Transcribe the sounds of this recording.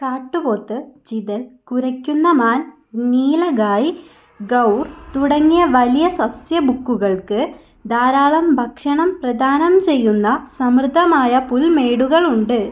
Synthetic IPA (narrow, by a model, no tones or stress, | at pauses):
kaːʈːɨpo̞ːt̪ːɨt͡ɕiðɐlkuɾɐkʲːunːɐmaːn | niːlɐɡaːji | ɡɐwrt̪uɽɐŋːijɐʋɐlijɐsɐsjɐbukːuɣɐɭkɨ | d̪aːɾaːɭɐmbʱɐkʂɐɳɐmprɐd̪ʱaːnɐmt͡ɕe̞jːunːɐsɐmrɨd̪ʱːɐmaːjɐpulme̞ːɽuɣɐɭuɳɖɨ